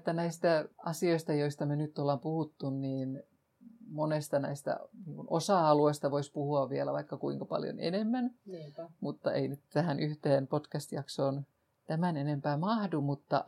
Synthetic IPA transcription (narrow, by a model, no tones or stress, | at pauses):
t̪ːænæist̪æɑsioist̪ɑjoist̪ɑmenyt̪ːolːɑmpuhut̪ːunniːn | monest̪ɑnæist̪æ̰niːŋkunosɑɑluest̪ɑʋoispuhuɑʋʋiælæʋɑikːɑkuiŋkɑpɑ̰ljo̰nḛnemːæn | mut̪ːɑḛinyt̪t̪æhænʔyht̪eːnpot̪kæst̪jɑksoːn | t̪æmænenempæːmɑhdumut̪ːɑ̰